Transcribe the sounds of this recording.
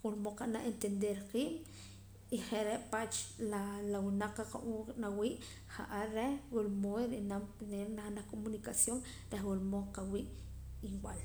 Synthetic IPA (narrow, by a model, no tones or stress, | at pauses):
wuɾmoqanaʔent̪end̪eɾqiːm | iχeʔɾeʔpat͡ʃlalawunaq͡χːaqaʔunawiːʔ | χa̰ʔaɾewulmoɾenamneɾnaχnakomunikasjoŋ | ɾeχwuɾmoqawiːʔiŋwal